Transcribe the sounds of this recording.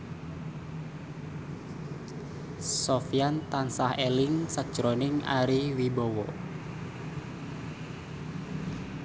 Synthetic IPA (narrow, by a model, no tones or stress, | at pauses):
sofijant̪ansahelɪŋsak̚d̥ʒ̥ɾonɪŋa̰ɾiwibɔwɔ̰